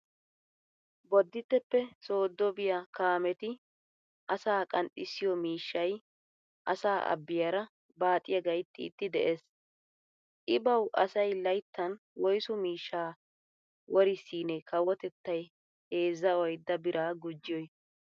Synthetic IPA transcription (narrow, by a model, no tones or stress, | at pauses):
bɔd̪ːɪt̪ːɛpːɛso̞ːd̪ːɔbɪjɐkaːmɛt̪ɪ | ʔɐsaːkʼɐntʼːɪsːɪjɔmiːʃːɐj | ʔɐsaːʔɐ̰bːɪjɐɾɐ | baːt̪ʼɪjɐɡɐjt̪ːɪ̰ːt̪ːɪd̪ɛʔeːs | ʔɪbɐwʔɐsɐjlɐjt̪ːɐn | wɔjsʊmiːʃːaː | wɔɾɪsiːnɛkɐwɔt̪ɛt̪ːɐj | heːzːɐwɔjd̪ːɐbɪɾʔaːɡʊd͡ʒːɪjɔj